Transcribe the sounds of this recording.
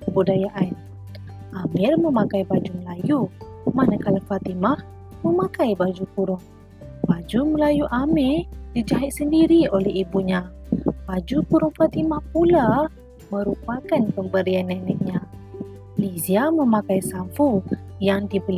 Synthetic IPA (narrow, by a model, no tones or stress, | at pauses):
əbudajaʔan | ʔamɪrməmakajbad͡ʒuməlajumanakalafat̪imah | məmakajbad͡ʒukuɾʊŋ | bad͡ʒuməlajuʔamɪrdid͡ʒaɦɪt̪̚səndiɾiolɛɦibuɲabad͡ʒukuɾʊŋfat̪imahpula | məɾupakanpəmbəɾianːanɛk̚ɲa | liziaməmakajsamfujaŋdibəl